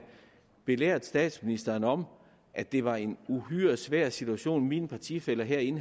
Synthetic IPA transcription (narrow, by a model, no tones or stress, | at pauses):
b̥e̝lḛɐ̰d̥ˠsd̥ɛ̰ːd̥sminisd̥ɐːnɒ̽m | ʔæd̥e̝ʋɑ̈e̝nuɦyɐsʋæɐ̰sit͡sʰuæɕo̝̰ːnimiːnpʰɑ̈t͡sʰḭfel̰ɐɦɛɐ̰e̝n